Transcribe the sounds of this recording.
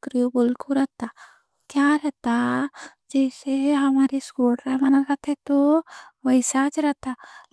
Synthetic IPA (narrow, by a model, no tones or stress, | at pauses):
kɾijobolkoɾɛɦt̪a | kjaːɾɛɦt̪a | d͡ʒɛːseɦɐmaːɾeskoːɖɾamanakat̪ʰet̪oʋɐɪsat͡ʃɾɛɦt̪a